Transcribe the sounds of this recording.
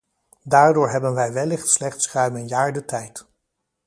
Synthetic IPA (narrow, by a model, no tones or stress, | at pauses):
daːɹdʊːɹɦɛbənʋɛjʋɛlɪχtslɛχtsrœɥmənjaːɹdətɛjt